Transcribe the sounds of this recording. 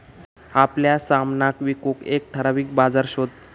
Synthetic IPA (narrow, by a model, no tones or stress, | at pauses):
apljasamnakʋikokek̚ʈʰəɾaʋiːk̚bad͡zaɾɕod̪̚